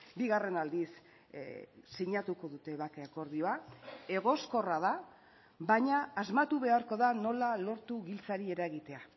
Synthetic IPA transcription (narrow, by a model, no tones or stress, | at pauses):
biɣare̞nald̪is | iɲat̪uko̞ðut̪e̞βakeako̞ɾðio̞ae̞ɣo̞sko̞rað̞a | baɲaːzmat̪uβe̞aɾko̞ðano̞lalo̞ɾt̪uɣilt͡saɾie̞ɾaɣit̪e̞a